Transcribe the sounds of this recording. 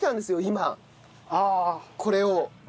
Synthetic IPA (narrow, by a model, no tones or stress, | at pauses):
t̪ãnd̪esɨjo̞ima | aːkʰo̞ɾe̞o